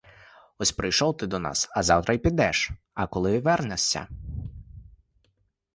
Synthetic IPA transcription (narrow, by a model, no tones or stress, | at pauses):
ɔsʲpɾɪjʃɔwt̪ɪd̪ɔnɑ̰sɐzɑwt̪ɾɐjpʲid̪ɛʃ | ɐkɔlˠɪʋɛrnɛsʲɐ̰